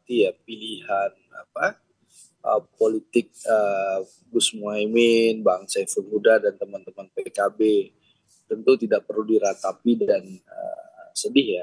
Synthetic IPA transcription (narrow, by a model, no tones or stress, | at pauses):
t̪ijapiliɦan | a̰pa | ʔəpolit̪ɪk̚ə | ɡʊsmuaimɪnbaŋsafurmudahdant̪əmant̪əmanpekabe | t̪ənt̪ut̪idaʔ̚pərludiɾat̪apidanə̰sədɪhja